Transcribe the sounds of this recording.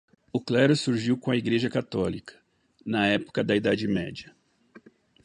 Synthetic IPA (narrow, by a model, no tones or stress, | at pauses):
ʊklɛɾʊsuɾʒiwkõɐiɡɾeʒɐkat̪ɔlikʰɐ̥ | nɐɛpo̥kɐd̪ɐid̪ad͡ʒɪmɛ̰d͡ʒiɐ